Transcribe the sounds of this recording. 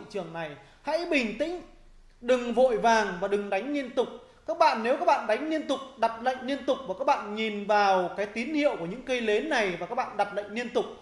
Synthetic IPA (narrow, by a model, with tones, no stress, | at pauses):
t͡ɕɨ˨˩əŋna˨˩j | ha̰˧˥jɓï˨˩ŋ̟t̪ḭ̈˧˥ŋ̟ | ɗɨ˨˩ŋvo̰˧˨jvaː˨˩ŋvaː˨˩ɗɨ˨˩ŋɗa˨˦jŋ̟ni˧ənt̪ʊ˨˩k͡p̚ | kaː˦˥k̚ɓa̰ː˧˨nːe˨˦wkaː˦˥k̚ɓa̰ː˧˨nɗa˨˦jŋ̟ni˧ənt̪ʊ˨˩k͡p̚ɗa˨˩p̚lə̰˧˨jŋ̟ni˧ənt̪ʊ˨˩k͡p̚vaː˨˩kaː˦˥k̚ɓa̰ː˧˨nɲi˨˩nvaː˨˩wkaː˨˦jt̪i˨˦ənhḭ˧˨əwku˧˩əɲɨ̰˧˥ŋkə˧jle˨˦nnːa˨˩jvaː˨˩kaː˦˥k̚ɓa̰ː˧˨nɗa˨˩p̚lə̰˧˨ŋ̟ni˧ənt̪ʊ˨˩k͡p̚